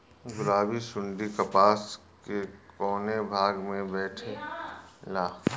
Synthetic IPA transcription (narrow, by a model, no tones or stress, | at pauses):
ɡʊɾaːbisʊɳɖikɐpaːs | kekɔːnebʱaːɡmẽbɛːʈʰe | laː